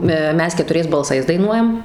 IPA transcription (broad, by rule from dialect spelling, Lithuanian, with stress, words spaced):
ˈmʲɛs kʲɛtʊˈrʲɛɪs bɐlˠˈsɐɪs dɐɪˈnuɔjɛm